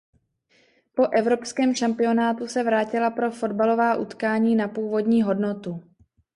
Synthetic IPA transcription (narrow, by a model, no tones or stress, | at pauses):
po̞ʔɛvɾo̞pskɛːmʃampɪo̞naːt̪usɛvɾaːcɪlapɾo̞fo̞dbalo̞vaːʔṵt̪kaːɲiːnapuːvo̞dɲiːɦo̞dnot̪u